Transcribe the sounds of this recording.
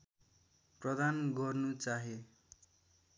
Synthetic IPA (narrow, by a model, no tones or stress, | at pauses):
prʌd̪anɡʌrnut͡saɦe